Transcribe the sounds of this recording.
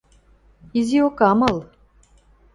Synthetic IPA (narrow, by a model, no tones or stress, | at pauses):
iziokɑmɤl